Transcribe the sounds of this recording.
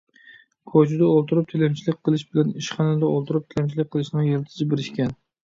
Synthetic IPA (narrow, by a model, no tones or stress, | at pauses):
kʰot͡ʃʰud̪ɛolˠt̪uɾup̚t̪ʰelɛmt͡ʃʰilɪkʲqʰːəlˠɪʃbɪlɛniʃχɑnɪd̪ɛolˠt̪ʰuɾup̚t̪ʰelɛmt͡ʃʰilɪk̚ʲqʰːəlˠɪʃnɪŋjelɪt̪ʰɪ̥zɪbeɾɪʃkʲɛn